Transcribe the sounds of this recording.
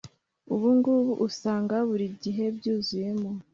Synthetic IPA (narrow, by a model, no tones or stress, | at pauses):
uβuŋɡuβuʔusaːŋɡaβuɾiɟiɦe̞bɟuːzuje̞mo